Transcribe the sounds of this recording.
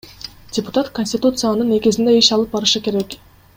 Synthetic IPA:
dʲɪpʊ̥t̪at̪konʲsʲtʲɪt̪ut̪sɨjanɯne̞ɡizind̪e̞iʃɑlˠɯp̚bɑɾɯʃɯke̞ɾe̞k

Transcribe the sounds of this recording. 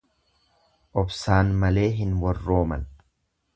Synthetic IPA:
ʔɔbsaːnmɐle̞ːɦɪnwɐrːo̞ːmɐ̰n

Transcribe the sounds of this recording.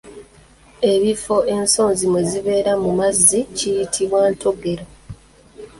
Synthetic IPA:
e̞βifo̞ʔe̞nso̞ːnzimweziβe̞ːɾamumazːicijitʰiβwaːntoɡe̞ɾo

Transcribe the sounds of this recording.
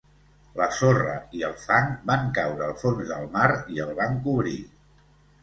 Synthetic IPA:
ləsorəiəlˠfaŋbaŋkawɾəːlˠfonzðəlˠmaɾiəlˠβaŋkuβɾḭ

